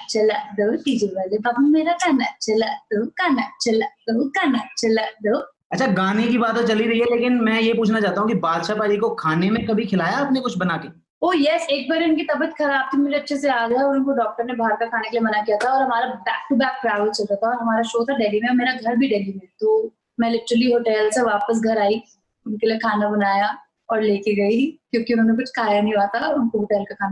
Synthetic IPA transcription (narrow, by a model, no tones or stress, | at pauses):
t͡ʃɐlad̪əʈiːd͡ʒepɛɦleb̪ɐbmeːɾakaːnat͡ʃɐlad̪əkaːnat͡ʃɐlad̪əkaːnat͡ʃɐlad̪ə | ɐtːʃʰaɡaːnekibaːt̪ot͡ʃɐliɾɐɦiɦɛleːkɪnmɛ̃jepuːt͡ʃʰnat͡ʃaːt̪aɦũkibaːd̪ʃapaːɾikokʰaːnemẽkɐbʱikʰɪlaːjaːpnekʊt͡ʃʰbɐnaːkeː | oːjɛseːk̚baɾeʊnkit̪ɐbət̪xɐɾaːb̚t̪ʰimʊd͡ʒeɐtːʃʰeseaːd͡ʒaɔːɾkoɖɔːk̚ʈəɾnebʱaːɾkakʰaːnekelijemɐnakijat̪ʰaɔːɾɦɐmaːɾabɛːk̚ʈubɛːk̚pɾaːʋəlt͡ʃɐlɾɛt̪ʰaɔːɾɦɐmaːɾaʃoːt̪ʰaɖɛːlimẽɔːɾmeːɾaɡʱɐɾbʱiɖɛːlimẽt̪oː | mɛ̃ːlɪʈɾəliɦoːʈɛːlseʋaːpəs̬ɡʱɐɾaːi | ʊnkeliekʰaːnabɐnaːja | ɔːɾleːkeɡɐikjõːkiʊnɦõːnek̬ʊt͡ʃʰkʰaːjanɐɦĩaːt̪aɔʊnkoɦoːʈɛːlkakʰaːna